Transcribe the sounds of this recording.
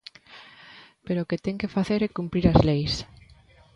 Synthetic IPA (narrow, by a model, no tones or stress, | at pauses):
peɾoːket̪ɛŋkefaθeɾɛkumpɾiɾɐzlejs